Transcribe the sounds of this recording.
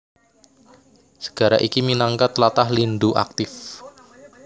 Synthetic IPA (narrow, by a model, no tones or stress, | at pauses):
sə̥ɡ̥a̤ɾa̰ʔikiminaŋkat̪lat̪ahlind̪uʔa̰k̚t̪ɪf